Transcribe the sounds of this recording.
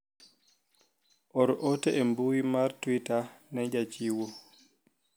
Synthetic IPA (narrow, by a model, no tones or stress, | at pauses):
ʔɔɾʔɔtɛʔɛmbuwimaɾtwitanɛd͡ʒat͡ʃiːwɔ